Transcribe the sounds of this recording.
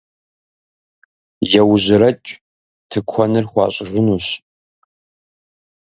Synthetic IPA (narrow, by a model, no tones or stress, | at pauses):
jɛwʑɪɾɐt͡ʃʼ | tʰɨkʷʰɔnɨrχʷɑːɕʼɪʒʷɪnuɕ